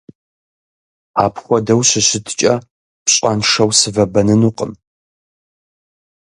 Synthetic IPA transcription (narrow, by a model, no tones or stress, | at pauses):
aːpʰxʷɔdɐwɕɪɕɪtʰt͡ʃʼɐ | pɕʼanʂɐwsɨvɐbɐnɨnuːqʼəm